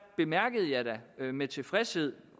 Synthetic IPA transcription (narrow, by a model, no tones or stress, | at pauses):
b̥e̝mæɐɡ̥əð̞̩ˠjɑ̈ɪɾæmet͡sʰe̝fʁɛshe̝ð̞̰ˠ